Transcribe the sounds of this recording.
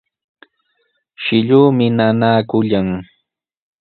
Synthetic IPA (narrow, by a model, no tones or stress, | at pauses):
ʃɪʎuːmɪnanaːkʊʎaŋ